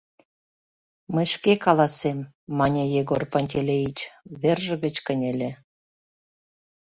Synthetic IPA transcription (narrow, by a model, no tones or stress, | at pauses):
məjʃkekɑlɑsemː | ɑnʲejeɣorponʲtʲelʲejit͡ɕβerʒə̆ɣə̆t͡ɕkənʲelʲe